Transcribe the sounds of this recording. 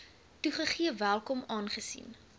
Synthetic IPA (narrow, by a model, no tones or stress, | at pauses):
tuχəχiəvælˠkɔmɑːnχəsḭn